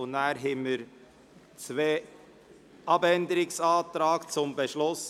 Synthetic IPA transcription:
ʊnæːɾɦɛməɾ | t͡sʋeː | ʔɑbɛnd̪əɾɪksɑːt̪ɾɑːɡ̥t͡sʊmbɛʃlʊs

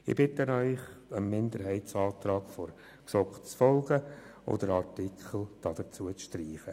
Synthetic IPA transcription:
ɪ̰bɪt̪ənœʏχəmmːɪnd̪əɾɦɛɪtsɑːt̪ɾɑːɡ̥foɾ | ksɔkt͡sfɔlˠɡəo̰d̪əɾɑrtikʰχl̩ˠd̥ɑd̥əɾt͡suət͡sʃtriːχə

